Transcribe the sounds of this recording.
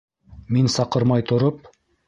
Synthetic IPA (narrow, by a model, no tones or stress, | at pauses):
minsɑqɤɾmɑjt̪ʰŏɾɤp̚